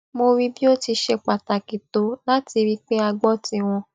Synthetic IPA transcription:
mo˧ɾi˦bi˦o˦ti˧ʃe˧k͡pa˨ta˨ki˨to˨˦la˦ti˧ɾi˦k͡pe˦a˧ɡ͡bɔ˦tĩ˧w̃ɔ̃˧

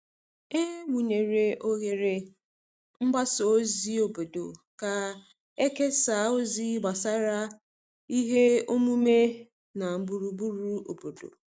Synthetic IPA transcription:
e˦ŋʷu˨ɲe˨ɾe˨ʔo˦ɣe˨ɾɪ˨ | m̩˦ɡ͡ba˦so˨o˦zi˦o˨bo˨do̰˨ka˨ | e˦ke˦sa˨˦o˦zi˦ɡ͡ba˨sa˦ɾa˦ | i˦ɦe˦o˦mu˦me˦ | na˨m̩˨bu˨ɾu˨bu˦ɾu˦o˨bo˨do̰˨

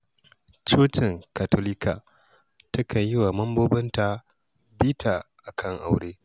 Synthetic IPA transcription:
t͡ʃoː˦tɪ˨ŋka˨toː˦lɪ˦ka˨ | tɐ˦kɐ˨ɲjɪ˦wa˨mɐ˦mboː˦bɐ˦nta˨ | biː˦tʰa˨ʔa˨kʰɐ˦ŋʔa˨wɽeː˦

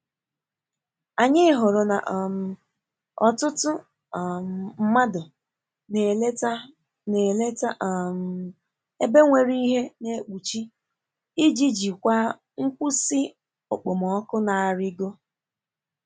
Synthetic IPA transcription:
a˨ɲɪ˦ɦʊ˨ɾʊ˨na̰˨ʔm˨ | ɔ˨tʊ˦tʊ˦˨ | m˨m̩˦ma˦dʊ˨ | ne˨le˦ta˦ | ne˨le˦ta˦ʔm˨ | e˦be˦ŋʷe˨ɾi˦i˦ɦe˦ne˦k͡pu˨t͡ʃi˦ | ɪ˦d͡ʒi˦d͡ʒi˨kʷa˦ | ŋ̩˦kʷu˦si˦ | o˨k͡po˨mɔ˨ɔ˦kʊ˦na˨ɾɪ˦ɡo˦

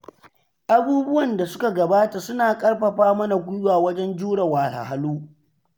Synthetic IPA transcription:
ʔa˦buː˦bʊ˦wɐ˨nda˨sʊ˦ka˨ɡɐ˨baː˦ta˨sʊ˦naː˨kʼɐ˦rɸɐ˨ɸaː˦mɐ˦na˨ɡʷʊ˦jwaː˨wɐ˦d͡ʒɛ˦nd͡ʒuː˦ɽɐ˨waː˨la̰˨ha˦luː˦

